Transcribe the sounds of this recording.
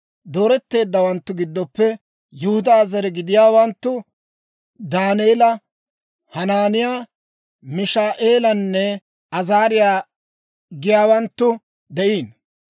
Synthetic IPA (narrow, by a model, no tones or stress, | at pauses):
d̪o̞ːɾɛt̪ːe̞ːd̪ːɐwɐnt̪ːʊɡɪd̪ːɔpːɛ | jʊhʊd̪aːzɐɾɛɡɪd̪ɪjaːwɐnt̪ːʊ | d̪aːneːlɐ | hɐnaːnɪjaː | mɪʃaːʔeːlɐnːɛ | ɐzaːɾɪjaː | ɡɪjaːwɐnt̪ːʊ | d̪ɛʔiːn